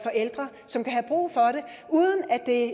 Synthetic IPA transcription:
fɒ̽ʔel̰d̥ʁɐ | sɒ̽mkʰæɦæb̥ʁṵːfɒ̽ɾe̝ | uːðˠən̩æd̥e̝

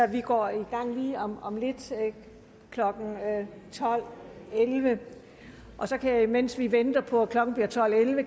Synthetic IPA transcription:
ɒʋiɡ̥ɒ̰ːiɡ̥ɑ̈ŋ̰liːɒmɒ̽mle̝d̥ | kʰlɒ̽ɡ̥n̩t͡sʰɒ̽l̰elʋə | ʔɒ̽sɒ̽kʰæjamen̰sʋiʋend̥ɐpʰɒ̽kʰlɒ̽ɡ̥n̩b̥iɐt͡sʰɒ̽l̰elʋə

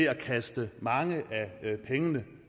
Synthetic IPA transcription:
e̝ækʰæsd̥əmɑ̈ŋəʔæpʰeŋənə

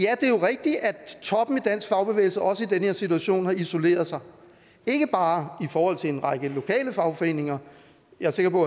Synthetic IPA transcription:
jæd̥e̝jo̝ʁɛɡ̥̚d̥i̥æ̥t͡sʰɒ̽b̥n̩id̥æn̰sɡ̥fɑ̈ʊb̥e̝ʋḛːɪlsəʔɒ̽səid̥enəhe̝ɐ̰sit͡sʰuæɕo̝̰ːnhɑ̈iso̝le̝̰ːɐð̞ˠsɑ̈ɪ | e̝ɡ̥əb̥ɑ̈ːifɒːhɒ̽l̰t͡sʰe̝e̝nʁɑ̈ɡ̥əlo̝kʰɛ̰ːləfɑ̈ʊfɒ̽e̝̰ːne̝ŋɐ | jɑ̈se̝ɡ̥ɐpʰɒ̽

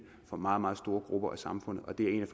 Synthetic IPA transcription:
fɒ̽mɑ̈ːð̩ˠmɑ̈ːðˠsd̥o̝ːɐɡ̥ʁub̥ɐʔæsɑ̈mfɔ̽n̰ð̩ˠʔɒ̽d̥e̝æɐe̝ːnæf

